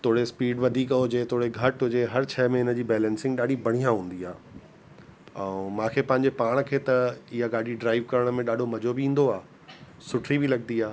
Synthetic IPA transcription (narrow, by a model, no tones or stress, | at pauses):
t̪ʰoːɽespiːɖʋɐd̪ʱiːkɦʊd͡ʑet̪ʰoːɽeɡʱɐʈɦʊd͡ʑeɦɐɾt͡ɕʰɛːmẽɪnə̆d͡ʑiːbɛːlɛ̃ːnsɪ̃ŋɡɗaːɖʱibʱɐɽ̤̃ijãɦũːn̆d̪iaː | ɛ̃mãːkʰeːpɐ̃ɦɪ̃ɲd͡ʑepaːɽ̃kʰeːt̪ɐɪɦaɡaːɖʱiɖɾaːɪʋkɐɾəɽ̃mẽɗaːɖʱomɐd͡ʑobɪĩːnd̪oaː | sʊʈʰɾibilɐɠniaː